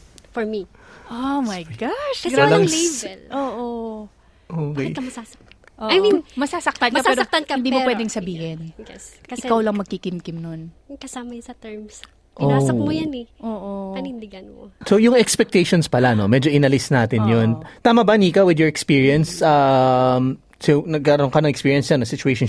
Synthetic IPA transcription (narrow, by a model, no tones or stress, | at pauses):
fɔɹmi | ʔomɐjɡaʃɡɾalɐŋlʔoːʔo | ʔoːkekɐmɐsasɐk̪̚ʔoajminmɐsasɐk̚t̪ɐnkkɐpɛːɾot̪ɐkɪnd̪iːmʊpwɛːd̪ɪŋsɐbiːhɪnjɛsɐɪkawlɐŋmɐɡ̚kikɪmkɪmnon | kɐsamɐjsɐt̪ɛɹms | ʔoasɐmojanɛʔoːʔopɐnɪnd̪ɪɡɐnmosojʊŋɛkspɛk̚t̪ejʃonspɐlano̞mɛːd͡ʒoʔɪnɐlɪsnaːt̪ɪnjont̪aːmɐbɐniːkɐwɪd̪jɔɹɛkspiːɹiɐnsam | sonɐɡ̚kɐɐɾoŋkɐnɐŋɛkspiːɹiɐnsjanːɐsɪt͡ʃʊejʃon